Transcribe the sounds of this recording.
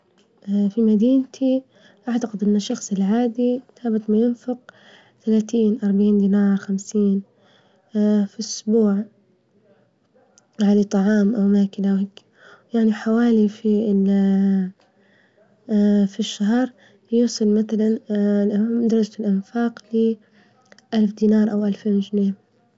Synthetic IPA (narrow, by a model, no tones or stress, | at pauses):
ʔfimad̪iːnt̪ʰi | ʔaʕt̪aqɪd̪ʔɪnːaʃːɑxsˤɪlʕaːd̪iθaːbɪt̪majɪnfʊq | t̪alaːt̪iːnʔɑɾˤbaʕiːnd̪iːnaːɾˤxamsiːn | fiʔʊsbuːʕ | ʕalat̪ˤɑʕɑːmʔawmaːkɪlawheːk | jaʕniħawaːlifi | fiʃːaɦɾˤ | juːsˤɨlmaθalan | d̪ɑɾˤɑd͡ʒalʔɪnfaːqlɪ | ʔalfd̪iːnɑːɾˤʔawʔalfeːnwt̪neːn